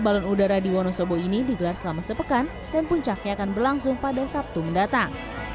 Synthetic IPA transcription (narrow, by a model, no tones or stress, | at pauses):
balɔnudaɾadiwɔnɔsɔboinidiɡəlarsəlamasəpəkan | danpuɲt͡ʃak̚ɲaːkanbərlaŋsʊŋpadasap̚t̪uməndat̪aŋ